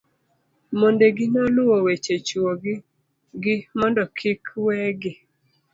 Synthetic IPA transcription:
mondeɡɪnɔlʊwowet͡ʃet͡ʃuoɡɪ | ɡɪmɔndɔkʰɪkwɛɡɪ

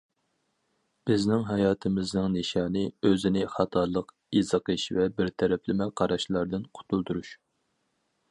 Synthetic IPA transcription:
b̥ɪznɪŋɦɑjɑːt̪ʰɨmɪznɨŋniʃɑːnɨøzɪnɪχɑt̪ʰɑɾlˠəq | izɨqʰɨʃvɛbɪɾt̪ʰɛɾɛplɪmɛqʰɑɾɑʃlˠɑɾd̪ɨnqʰʊ̥t̪ʰulˠt̪uɾuʃ

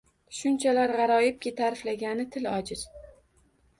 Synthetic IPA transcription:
ʃʊnt͡ʃʰalaɾʁɑɾɒjɪp̚kʲɪt̪ʰaɾɪflaɡʲanɪt̪ʰɪlɒd͡ʒɪz̥

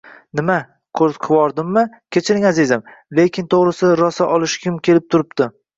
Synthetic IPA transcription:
nɪma | kʰɵzqʰɨwɒɾd̪ɪmːɪ | kʲʰe̞t͡ʃʰɪɾɪŋazizamlekʲʰɪnt̪ʰoʁɾɪsɪɾɒsaʔɒlˠɪʃkʲʰɪmkʲe̞lɪp̚t̪ʰʊɾɪpd̪ɪ

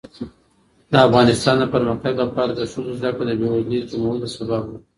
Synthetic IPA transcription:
d̪əafɣɑnɪst̪ɑnd̪əpəɾməxt̪aɡlapɑɾad̪əʃulozd̪akɽod̪əbewanizd͡ʒumawəlosababd̪a

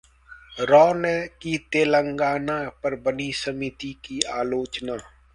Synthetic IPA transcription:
ɾɔːnɛkit̪eːlə̃ŋɡaːnapɐɾbənisəmit̪ikiaːloːt͡ʃnaː

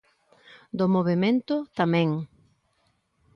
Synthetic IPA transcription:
d̪omoβemẽnt̪ʊt̪amɛ̃ŋ

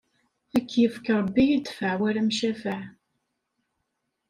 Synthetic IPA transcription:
ækːjəfkɾˤəbːijət̪ːfəʕwæɾæmʃæfəʕ

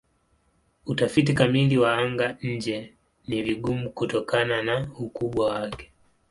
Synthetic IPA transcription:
utafit̬ikamiliwaaŋɡaɲ̩d͡ʒɛ | niviɠumukutɔkananaukuɓwawakɛ̥

